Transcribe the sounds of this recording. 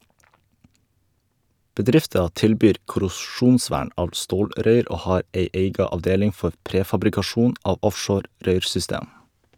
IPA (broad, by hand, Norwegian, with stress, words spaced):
bəˈdɾɪftɑ ˈtɪlbyːɾ kʊɾʊˈʃuːnˌsʋæːɳ ˈɑːʋ ˈstoːlɾœʏɾ ˈʔoː ˈhɑːɾ ˈʔeɪ ˈeɪɡɑ ɑʋˈdeːlɪŋ ˈfɔ ˈpɾeːfɑbɾɪkɑˌʃuːn ˈɑːʋ ˈɔfʃoːɾ ˈɾœʏɾsʏˌsteːm